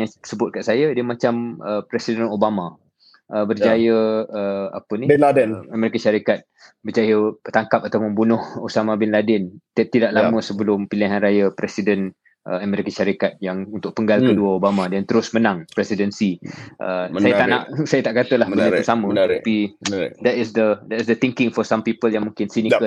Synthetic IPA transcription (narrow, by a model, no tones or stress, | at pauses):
jasəbʊt̪̚kaʔsajədəmãt͡ʃaməpɾɛsidənobama | ʔəbərjd͡ʒajəəa̰pənibɛnladənamɛɾikəʃaɾikat̪̚ | bət͡ʃajət̪aŋkap̚at̪awməmbunʊhosamabɛnladɛnt̪t̪idaʔlamə̃səbəlʊmpiliɦanrajəpɾɛsidən | ʔə̰əmɛ̃ɾikəʃaɾikat̪̚jaŋunt̪ʊk̚pəŋɡalkəduəobamãdɛnt̪əɾʊsmənãŋpɾɛsidənsiʔə̰əsajat̪anaʔsajat̪aʔkat̪əlahbəat̪usamə̃tapidɛt̪ɪsd̪ədɛtsdət̪iŋkɪŋfɔsampipəljaŋmuŋkɪnsinikə